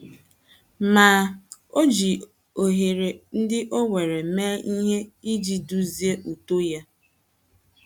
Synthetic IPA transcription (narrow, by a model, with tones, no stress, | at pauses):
maː˨˦o˦d͡ʒi˨ | o˨ɦe˨ɾe˨n̩˦dɪ˦ʔo˦ŋʷe˨ɾe˨meː˦ʔi˦ɦe˦i˦d͡ʒi˨du˦zi˦e˦ʔu˨to˦ja˦